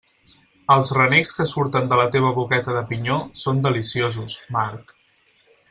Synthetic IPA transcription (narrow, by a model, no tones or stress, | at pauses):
əlˠzrənekskəsuɾt̪ənd̪ələt̪eβ̞əβukɛt̪əðəpiɲosond̪əlisiozusmaɾk